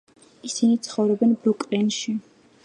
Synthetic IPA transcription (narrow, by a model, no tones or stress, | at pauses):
isinit̪sʰχɔvɾɔbɛnbɾɔkʼɾɛnʃi